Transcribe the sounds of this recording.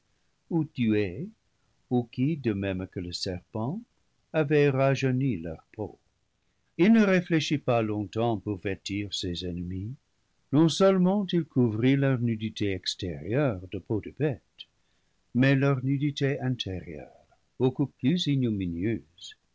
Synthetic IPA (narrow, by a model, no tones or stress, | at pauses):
ud̪ye | ukid̪əmɛmkələsɛʁpɑ̃ | avɛʁaʒɔnilœ̰ʁpʰo̰ | ilnəʁefleʃipalɔ̃t̪ɑ̃puʁvɛtiʁsezɛnəmi | nɔ̃sœlmɑ̃tilkʰuvʁilœʁnyditʰeɛksteʁjœʁd̪əpodəbɛt | mɛlœʁnyditeɛ̃t̪ʰeʁjœ̰ʁ | b̥okuplyzinjuminjøz̥